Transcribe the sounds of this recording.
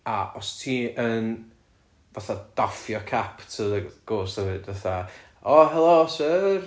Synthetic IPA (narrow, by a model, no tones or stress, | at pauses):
aʔɔstʰiːʔən | vaθad̥afjɔkʰapʰtʰəðəɡ̥oːsɛvɨdvaθa | ɔɦɛlˠosər